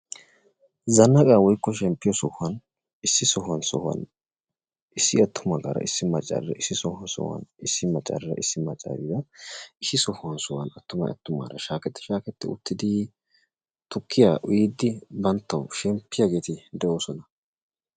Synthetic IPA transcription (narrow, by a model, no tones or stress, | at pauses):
zɐnːɐkʼaːwɔjkːɔʃ̬ɛmpːɪjɔsɔhɐn | ɪsːɪsɔhɐnsɔ̰hɐ̰n | ɪsːɪɐt̪ʰːʊmɐɡɐ̰ɾɐ̰ʔɪsːɪmɐt͡ʃʼɐ̰ɾɾɐ̰ɪsːɪsɔhɐsɔ̰hwɐ̰nɪsːɪmɐt͡ʃʼːɐ̰ɾɾɐ̰ʔɪsːɪmɐt͡ʃʼa̰ɾɪd̪ɐɪsːɪsɔhɐnsɔhwɐnɐt̪ːʊmɐ̰ɐ̰t̪ːʊma̰ːɾɐʃaːkɛt̪ːɛ̥ʃaːkɛt̪ːɛ̰ʊt̪ːɪd̪ɪ | t̪ʊkʰːɪjaʔʊjid̪ːɪbɐnt̪ːɐwʃɛmpːɪjaɡe̞ːt̪ɪd̪ɛʔo̞ːsɔnɐ